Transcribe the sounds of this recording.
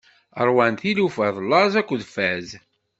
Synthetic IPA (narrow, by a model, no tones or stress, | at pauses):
əɾˤwænθilufəðˤlːɑzækʷːðfæz